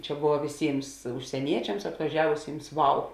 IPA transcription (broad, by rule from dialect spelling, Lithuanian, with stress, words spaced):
ˈt͡ʃʲɛ ˈboːʋɐ ʋʲɪˈsʲiːms ʊʃʲsʲiɛˈnʲiɛt͡ʃʲɛms ɐtʋɐˈʒʲæːʋʊsʲiːms ˈʋɐʊ